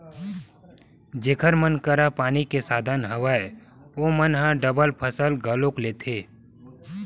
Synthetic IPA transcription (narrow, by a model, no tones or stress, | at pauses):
d͡ʒeːkʰəɾmənkəɾapaːnikesaːd̪ʱənɦəʋaːe | omənɦãɖəbəlpʰəsəlɡʱəlokleːt̪ʰeː